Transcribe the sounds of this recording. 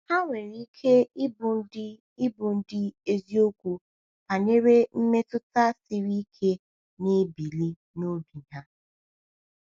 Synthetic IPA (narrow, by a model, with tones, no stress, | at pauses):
ha˦ŋʷe˨ɾi˦kʰe˦ɪ˦bʊ˨˦d | ɪ˦bʊ˨n̩˦dɪ˦e˦zi˦o˦kʷu˦ | pa˨ne˦ɾe˦m̩˦me˦tʊ˦ta˦sɪ˨ɾi˦kʰe˦ | ne˦bi˨li˦ | no˦bi˨ɦa˦